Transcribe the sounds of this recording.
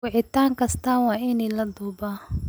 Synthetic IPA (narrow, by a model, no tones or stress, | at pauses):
ʊʕɪt̪ʰaːŋkʰɐst̪ʰɐwɑːɪnɛlɐd̪uːba